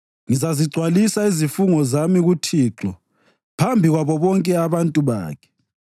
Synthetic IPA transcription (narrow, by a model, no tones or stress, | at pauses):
ŋizaziɡ͡ǀʱwalisaizifuŋɔzamiɣutʰiːǁɔ | pʰambʱiɣwaβɔβɔŋkʼɛaβantʼuβa̰ːkʰɛ̥